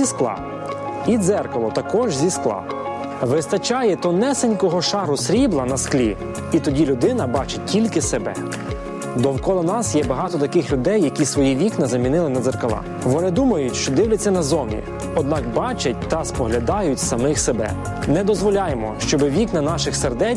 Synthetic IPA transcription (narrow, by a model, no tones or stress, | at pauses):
isklˠɑ̰ | id̪zɛrkɔlˠɔt̪ɐkɔʒzʲisklˠɑ̰ | ʋɪst̪ɐt͡ʃɑjɛt̪ɔnɛsɪnʲkɔɦɔʃɑɾʊsɾʲiblˠɐnɐsklʲi | it̪ɔdʲilʲʊd̪ɪnɐbɑt͡ʃɪtʲilʲkɪsebɛ̰ | d̪ɔwkɔlˠɔnɑsjɛbɐɦɑt̪ɔt̪ɐkɪxlʲʊd̪ɛjːɐkʲisʋɔjiʋʲiknɐzɐmʲinɪlˠɪnɐd̪zerkɔlˠɑ̰ | ʋɔnɪd̪umɐjʊtʲʃt͡ʃɔd̪ɪwlʲɐt͡sʲːɐnɐzɔmʲḭ | ɔd̪̚nɑkbɑt͡ʃɐt̚ʲt̪ɐspɔɦlʲɐd̪ɑjʊtʲsɐmɪxsebɛ̰ | nɛd̪ɔzʋɔlʲɑjemɔʃt͡ʃɔbɪʋʲiknɐnɑʃɪxserd̪ɛ